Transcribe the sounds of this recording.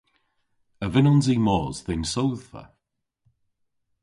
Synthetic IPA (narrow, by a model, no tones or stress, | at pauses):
əvɪnɔnziːmɔ̰ːz̥ðɪnsowðfə̰